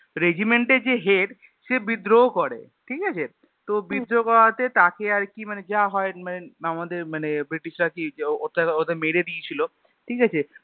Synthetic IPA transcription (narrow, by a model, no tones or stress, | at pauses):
ɾed͡ʑimeɳʈeɾd͡ʑeɦeʈ | ʃebid̪ɾokoɾḛ | ʈʰikat͡ɕʰe | t̪obid̪ɾokɔɾat̪et̪akeaɾkimaned͡ʑaɦɔemaneamad̪eɾmanebɾiʈiʃɾakiot̪aod̪eɾmeɾed̪iet͡ɕʰilo | ʈʰikat͡ɕʰe